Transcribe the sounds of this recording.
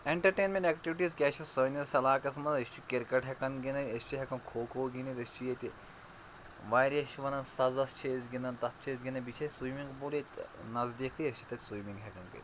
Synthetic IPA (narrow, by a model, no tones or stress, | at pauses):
eɳʈɐɾʈeːnmʲẽɳʈɛkʈiʋiʈiːzkʲɛt͡ʃʰɐssəːnʲɐsɐlaːkɐsmɐnɐsʲt͡ʃʰikiɾkɐʈɦɛkɐnɡinɐɐst͡ʃʰiɦɛkɐnkʰoːkʰoːɡinit̪ɐsʲt͡ʃʰijet̪ʲi | ʋaːɾʲɐʃʰiʋɐnɐnsɐzɐst͡ʃʰeːzɡinɐnt̪ɐt̪̚ʰt͡ʃʰeːzɡʲinɐbit͡ʃʰɐːtʲsujmiŋɡbolit̪nɐzd̪iːkʰɨɐst͡ʃʰi̥t̪ɐt̪ʲsujmĩŋɡɦɛkɐnkɐ̰t̪ʲ